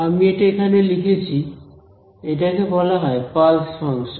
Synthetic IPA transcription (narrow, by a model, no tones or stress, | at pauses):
amietaekʰanɛlikʰet͡ɕʰi | et̬akekɔlaɦɔjpalspʰɔns